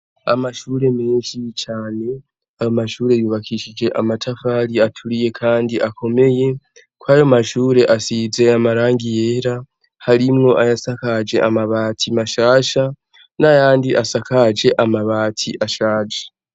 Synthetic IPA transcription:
a̰maʃuːɾe̞me̞ːnʃit͡ʃaːne̞ | ajomaʃuːɾe̞juβakʰiʃid͡ʒe̞ʔamatʰafaɾiatʰuɾije̞kʰaːndiʔakʰo̞me̞je̞ | kwaːjomaʃuːɾe̞ʔasize̞amaɾaːŋɡije̞ːɾa | haɾimŋo̞ʔajasakad͡ʒe̞ʔamaβaːtʰimaʃaːʃa | najaːndiʔasakad͡ʒe̞ʔamaβaːtʰiʔaʃaːd͡ʒe

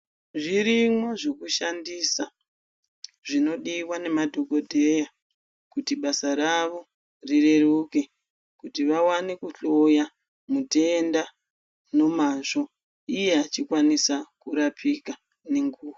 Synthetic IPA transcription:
ʐiɾimwoʐe̞kuʃandisa | ʐino̞ɗiwane̞madʱo̞ko̞dʱe̞ja | kutiɓasaɾaʋo̞ | rire̞ruke̞ | kutiʋawanekuɬo̞ja | mute̞nda | no̞maʐo̞ | ije̞at͡ʃikwanisakuɾapʰika | ne̞ŋɡuːwa

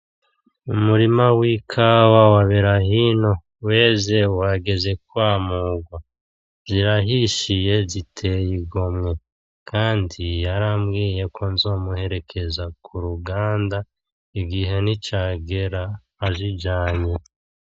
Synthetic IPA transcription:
umuɾimawikʰawawaβeɾaɦino̞ | we̞ːze̞waɡe̞ze̞k̚waːmuːɡwa | ziɾaɦiʃije̞zitʰe̞jiɡo̞mŋe̞ | kʰaːndijaɾamɡiːje̞kʰo̞nzo̞ːmuhe̞ɾe̞kʰe̞zakʰuɾuɡaːnda | iɡiɦe̞nit͡ʃaːɡe̞ɾaː | ziɟaːɲe

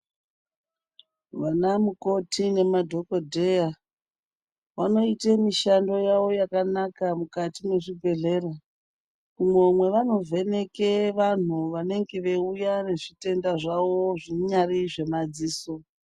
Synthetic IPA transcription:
ʋanamuko̞tʰine̞madʱo̞kodʱeja | ʋano̞itemiʃando̞jaʋo̞jakanakamukatimwe̞ʐibʱe̞ɮe̞ːra | umwemwe̞ʋano̞vʱe̞ne̞keʋan̤uʋane̞ŋɡeʋe̞ujane̞ʐite̞ndaʐawo̞ʐiɲariʐe̞mad͡ziːso̞

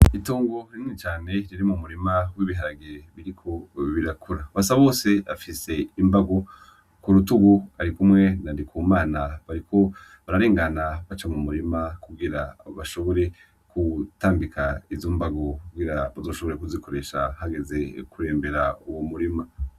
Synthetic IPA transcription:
itoːŋɡo̞ɾinnit͡ʃaːne̞ɾiɾimumuɾimawiβiɦaɾaɡiɾeβiɾikʰo̞βiɾakuɾaβasaβo̞ːse̞afise̞imbaɡo̞ | kuɾutuɡuaɾikumŋe̞nandikʰumaːnaβaɾikʰo̞ | βaɾaɾeːŋɡanaβat͡ʃamumuɾimakuɡiɾaβaʃo̞βo̞ɾe̞ | kutaːmbikʰaizoːmbaɡo̞kuɡiɾaβazo̞ːʃo̞βo̞ɾekuziko̞ɾe̞ʃa̰haɡe̞ze̞kuɾe̞ːmbe̞ɾauwomuɾima

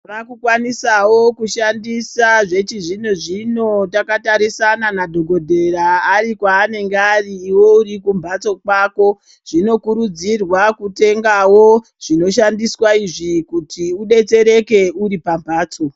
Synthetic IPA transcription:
rakukwanisawo̞kuʃandisaʐet͡ʃiʐinoʐino̞takataɾisananadʱo̞ɡʱo̞dʱe̞ɾaːɾikwaːne̞ŋɡeariːwo̞urikumbʱat͡so̞kwako̞ | ʐ̥ino̞kuɾud͡zirwakute̞ŋɡawo̞ | ʐ̥ino̞ʃandiswaiʐikutʰiuɗe̞t͡se̞ɾe̞ke̞uɾipambʱaːt͡so̞

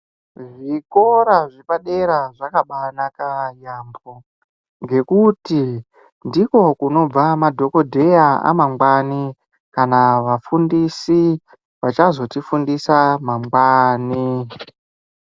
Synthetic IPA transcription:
ʐiko̞ɾaʐipaɗe̞ɾaʐakaɓanakajambo | ŋɡe̞kuti | ndiko̞kuno̞b͡vamadʱo̞ko̞dʱe̞jaa̰maŋɡwani | kanaʋafundisi | ʋat͡ʃazo̞tifundisamaŋɡwaːni

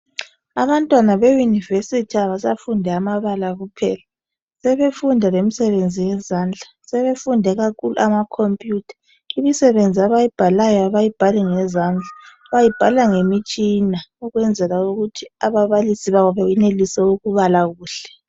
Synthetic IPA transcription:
aβantʼwanaβejunivesitʰiaβasafundʱɛamaβalaɣupʰɛ̰ːla | sɛβefundʱalemisɛβend͡zʱijɛzaːnd͡ɮʱa | sɛβefundʱɛɣakʰuluamakʰompʼjuːtʰḁ | imisɛβend͡zʱiaβajib̥ʱalajɔaβajib̥ʱaliŋɛzand͡ɮʱa | βajib̥ʱalaŋemit͡ʃʼinauɣwɛnd͡zʱɛlauɣutʰiaβaβalisiβaβɔβajɛnelisɛuɣuβalaɣuːɬɛ̥

